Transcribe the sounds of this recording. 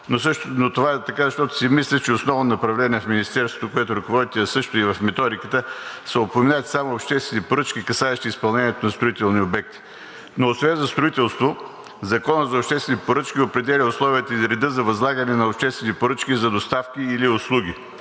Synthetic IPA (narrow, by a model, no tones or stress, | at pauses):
nosnot̪ovaɛt̪ɐkazɐʃt̪ɔt̪ʊ̥simislʲɛt͡ʃɛosnɔvnonɐpɾɐvlɛniɛfminist̪ɛɾst̪vot̪okoɛt̪ʊɾɐkovɔd̪it̪iɐsɤʃt̪ʊivɐfmɛt̪ɔɾikət̪əsəopomɛnaət̪samoopʃt̪ɛst̪vɛnipoɾɤt͡ʃkʲikɐsaɛʃt̪iispɐlˠnɛniɛt̪onɐst̪ɾoit̪ɛlˠniobɛk̚t̪i̥ | noːsvɛnzɐst̪ɾʊit̪ɛlˠst̪vo | zɐkɔnət̪zɐʊpʃt̪ɛst̪vɛnipoɾɤt͡ʃkʲiopɾɛd̪ɛlʲiʊslˠɔviət̪əizɾɛd̪əzɐvɐzlˠaɡɐnɛnɐopʃt̪ɛst̪vɛnipoɾɤt͡ʃkʲizɐd̪ost̪afkʲiːliʊslˠuɡ̟ʲi